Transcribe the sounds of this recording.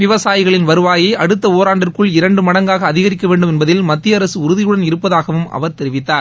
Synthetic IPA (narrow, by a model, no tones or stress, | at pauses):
ʋɪʋɐsaːjɪɣɐɭɪnʋɐɾɯʋaːjeːʔɐɽɯt̪ːɐoːɾaːɳɖɪrkɯɭɪɾɐɳɖɯmɐɽɐŋɡaːɣɐːðɪɣɐɾɪkːɐʋeːɳɖɯmɛnbɐðɪlmɐt̪ːɪjɐɐɾɐsɯʊɾɯðɪjɯɽɐnɪɾɯpːɐðaːɣɐʋɯmɐ̰ʋɐɾt̪ɛɾɪʋɪt̪ːaːɾ